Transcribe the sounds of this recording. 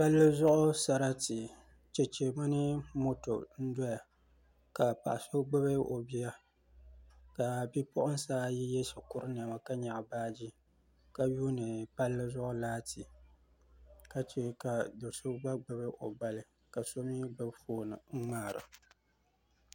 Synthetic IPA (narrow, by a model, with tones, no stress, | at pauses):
pa˦lːɨ˦zʊ˦ʔʊ˦sa˨ɾa˦ti˨ | t͡ʃɛ˨t͡ʃe˨mɨ˦nɨ˦mo˦to̰˨n̩˦dɔ˦ja˨ | ka˨pa̰˨ʔa˨so˦ɡ͡bɨ˦be˦ʔo˨bi˦ja˦ | ka˨bi˦pʊ˦ʔʊ˦n˦saː˦ji˦jɛ˦sɪ˨kʊ˦ɾɨ˦n˨a˨ma˨ka˦ɲa˨ʔbaː˦d͡ʒi˦ | ka˦juː˦nɨ˨pa˦lːɨ˦zʊ˦ʔʊ˦laː˦tʰi˨ | ka˦t͡ʃe˦ka˨do˨so˦ɡ͡ba˦ɡ͡bɨ˦be˦ʔo̰˨ba˦lɨ˦ | ka˨so˦mi˦bɨ˦bfoː˦nɨ̰˨ŋ̩˦ŋ͡maː˦˨ɾɨ̰˨